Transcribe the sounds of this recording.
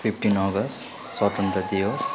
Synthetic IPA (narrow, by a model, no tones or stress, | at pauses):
pʰipʰʈinɔɡʌs | sɔʈunt̪ʌd̪ijos